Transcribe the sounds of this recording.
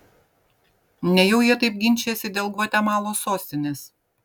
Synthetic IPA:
nʲɛjɛʊjiɛt̪ɐɪp̚ɡʲɪnʲt͡ʃʲeːsʲɪd̪ʲeːlˠɡʋɔt̪ʲɛmɑːlˠoːsoːsʲt̪ʲɪnʲeːs

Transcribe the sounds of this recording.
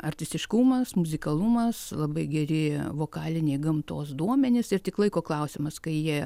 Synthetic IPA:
ɐrʲt̪ʲɪsʲt̪ʲɪʃkumɐsmʊzʲɪkɐlˠumɐslˠɐbɐɪɡʲɛɾʲɪʋoːkɑːlʲɪnʲeːɡɐmt̪oːsd̪uɔmʲɛnʲɪsɪrt̪ʲɪklˠɐɪkoːklˠɐʊsʲɪmɐskɐɪjiɛ

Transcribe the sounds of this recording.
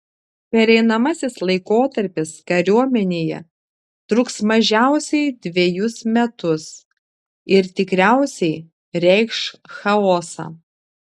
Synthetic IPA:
pʲɛɾʲɛɪnɐmɐsʲɪslˠɐɪkoːt̪ɐɾʲpʲɪskɐɾʲuɔmʲɛnʲeːjɛ̰ | t̪ɾʊksmɐʒʲæˑʊsʲɛɪd̪ʲʋʲejʊsmʲɛt̪ʊs | ɪɾt̪ʲɪkɾʲæˑʊsʲɛɪ | ɾʲɛɪkʃxɐoːsɑ̰ː

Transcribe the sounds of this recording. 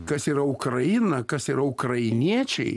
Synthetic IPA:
kɐsiːɾɐʊkɾɐjɪnɐkɐsɪɾɐʊkɾɐɪnʲiɛt͡ʃʲɛ̰ɪ

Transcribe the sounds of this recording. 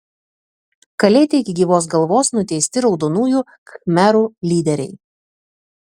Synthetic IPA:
kɐlʲɛɪt̪ʲɛɪkʲɪɡʲiːʋoːs̬ɡɐlˠʋoːsnʊt̪ʲɛɪsʲt̪ʲɪɾɒʊd̪onuːjuː | kxmʲæɾuːlʲiːd̪ʲɛɾʲɛɪ

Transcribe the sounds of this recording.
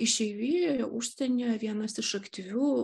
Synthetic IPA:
ɪʃʲɛɪʋʲiːuʃʲsʲt̪ʲɛnʲɛːʋʲiɛnɐsɪʃɐkt̪ʲɪʋʲuː

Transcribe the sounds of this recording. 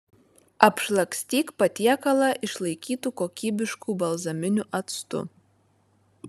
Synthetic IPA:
ɐpʲʃlˠɐksʲt̪ʲiːkpɐt̪ʲiɛkɐlˠɐʔɪʃlˠɐɪkʲiːt̪uːkoːkʲiːbʲɪʃkuːbɐlˠzɐmʲɪnʲʊʔɐt̪st̪ʊ̰

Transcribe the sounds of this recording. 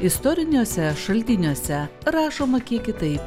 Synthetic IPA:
ɪst̪ɔɾʲɪnʲuːsʲɛʃɐlʲt̪ʲɪnʲuɔsʲɛɾɑːʃoːmɐkʲiɛkʲɪt̪ɐɪp

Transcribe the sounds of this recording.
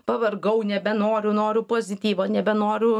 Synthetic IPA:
pɐʋɐrɡɐʊnʲɛbʲɛnoːɾʲʊnoːɾʲʊpoːzʲɪt̪ʲiːʋoːnʲɛbʲɛnoːɾʲʊ

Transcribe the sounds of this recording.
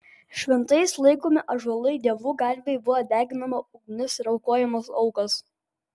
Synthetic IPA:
ʃʲʋʲɛnt̪ɐɪslˠɐɪkoːmʲɪʔɐʒɐlˠɐɪd̪ʲiɛʋuːɡɐɾʲʋʲeɪbʊʋod̪ʲæːɡʲɪnɐmɐʊɡnʲʊsɾɐʊkoɔːjɛmɐsɒʊkɐs

